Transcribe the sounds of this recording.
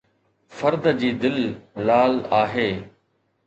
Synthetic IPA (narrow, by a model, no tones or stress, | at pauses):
fəɾd̪d͡ʑiːd̪ɪllaːlaːɦeː